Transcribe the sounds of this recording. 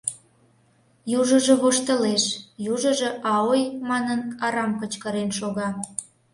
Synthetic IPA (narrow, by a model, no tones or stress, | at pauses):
juʒəʒeβoʃt̪əleʃjuʒəʒeʔɑojmɑnənɑɾɑmkət͡ɕkəɾenʃoɣɑ